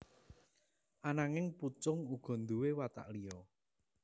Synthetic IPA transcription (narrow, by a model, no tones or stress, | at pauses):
ʔanaŋɪŋput͡ʃʊŋuɡ̥ɔ̤nd̪uwewat̪a̰ʔlijɔ